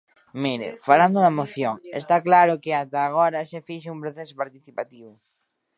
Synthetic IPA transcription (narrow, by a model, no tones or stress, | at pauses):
miɾḛfaland̪oðɐmoθjoŋḛst̪aklaɾʊkeat̪aːɣ̞oɾɐʃefiʃ̬eumpɾoθesopaɾt̪iθipat̪iβʊ